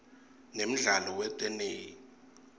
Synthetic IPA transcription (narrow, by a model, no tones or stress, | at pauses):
nem̩ɮalɔwɛtʼɛneːji